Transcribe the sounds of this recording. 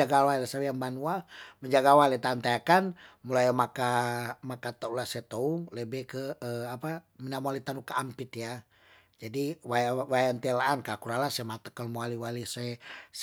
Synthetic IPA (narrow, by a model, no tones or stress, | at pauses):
aɡawalɛsawejaŋbanuaməɲd͡ʒaɡawalɛt̪ant̪ajakanmulajamakamakat̪aulasɛt̪ouŋlebɛkəəapaminamualit̪anukaampit̪ja | d͡ʒadiwajwajant̪elaːnkakuɾalasɛmat̪əkəlmualiwalisɛs